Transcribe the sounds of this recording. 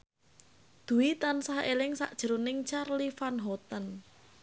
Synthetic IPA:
d̪̥ṳwit̪ansahelɪŋsa̰ʔd̥ʒ̥ə̤ɾunɪŋt͡ʃarlifanɦɔt̪ən

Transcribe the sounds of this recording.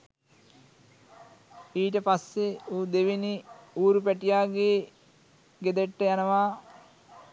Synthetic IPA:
iːʈəpasːeoːd̪eʋeniuːɾupæʈijaːɡeː | ɡed̪eʈːəjanəʋaː

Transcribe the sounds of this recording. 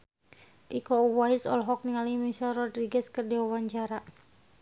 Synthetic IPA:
ʔikɔuwaisɔ̰lɦɔk̚niŋalimisalrɔdɾiɡɛskərdiwawaɲt͡ʃaɾa

